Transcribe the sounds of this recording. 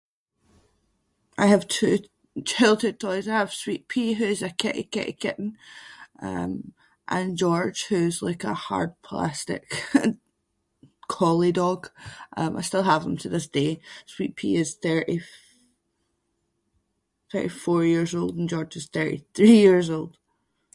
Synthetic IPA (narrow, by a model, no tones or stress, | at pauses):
ʔaɪəv̥tʰʉː | t͡ʃʰɪlˠtʰətʰɔɪzaɪəv̥swiʔpʰiɦʉɪzəkʰɛ̰ʔɪ̰kʰɛ̰ʔḭkʰɪ̰ʔn̩ | ʌ̰̃m | ʔə̃nd͡ʒɔɹ̥ʒ̥hʉɪzlˠa̰ɪkə̰ha̰ɹd̚pʰl̥ˠa̰stɪ̰k | kʰɔlˠɪdɔɡ̥ʔʌ̰̃mʔa̰ɪstɪlˠɦəvðə̃mtʰəðɪsd̥eswiʔpʰḭɪz̥θɜ˞ʔi | θɜ̰˞ʔifɔɹjiɹzolˠdə̃n̩d͡ʒɔɹd͡ʒɪz̥θɜ˞ʔḭθɹijiɹzolˠd̥